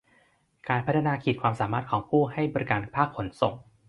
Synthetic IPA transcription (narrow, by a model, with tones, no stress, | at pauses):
kaː˧npʰa˦˥t̪ʰa˧naː˧kʰiː˨˩kʰwaː˧msaː˩˦maː˥˩t̪̚kʰɔː˩˦ŋpʰuː˥˩ɦa˥˩jbɔː˧ɾi˦˥kaː˧npʰaː˥˩kʰːo˩˦nso˨˩ŋ